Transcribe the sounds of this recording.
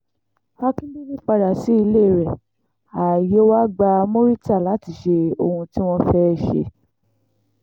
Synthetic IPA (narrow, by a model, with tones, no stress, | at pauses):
a˦kĩ˦mĩ˦nĩ˦k͡pa˧ɾa˨si˦i˧le˦˨ɾɛ˨ | a˨jo˨˦wa˦ɡ͡ba˧mo˦ɾi˦ta˦˨la˨˦ti˧˨ʃe˧o˧hũ˧ti˦w̃ɔ̃˧fɛ˦ʃḛ˧